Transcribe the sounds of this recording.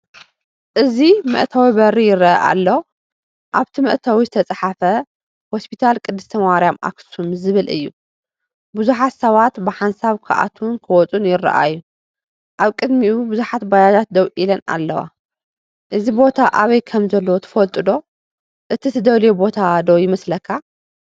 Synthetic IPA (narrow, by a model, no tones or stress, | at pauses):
ʔɨzimɨ̰ʔt̪ʰawibɐɾijɪrɐʔɐ̰ʔa̰lːo | ʔaβt̪ʰimɨʔt̪ʰawizɨt̪ʰɐt͡sʼaħafɐ | ho̞spʰit̪ʰalkʼɨd̪ːɨst̪ʰɐmɐwaɾjamʔa̰ksumzɨβɨlɨ̰jːu | buzuħat̪sɐβat̪bɨħansaβkʰa̰ʔa̰t̪ʰuwnkʰɐwɔt͡sʼunjɪrːɐ̰ʔa̰jːu | ʔaβkʼɨd̪miubuzuħat̪bajad͡ʒat̪̚d̪ɐwʔilɐna̰lːɐwa̰ | ʔɨzibo̞t̪ʰaʔaβɐjkʰɐmzɐlːowt̪ʰɨ̥fɐlt̪ʼɨd̪o̞ | ʔɨt̪ʰit̪ʰɨd̪ɐwlebo̞t̪ʰad̪owjɪmɐslɐkʰːa